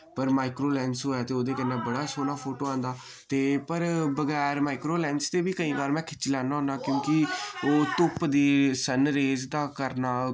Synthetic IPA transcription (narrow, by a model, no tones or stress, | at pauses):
pəɾmaːɪkɾoːlɛ̃ːnsɦoːɛːt̪eːoːd̪eːkənːeːbəɽaːsoːnaːpʰoːʈoːãːnd̪aː | t̪eːpəɾbəɡɛːɾmaːɪkɾoːlɛ̃ːnst̪eːbiːkəĩːbaːɾmɛ̃ːkʰɪ̥t͡ʃlɛːnaːɦʊ̃nd̪aːkjõːkɪoːt̪ʊpd̪iːsənɾeːzd̪aːkəɾnaː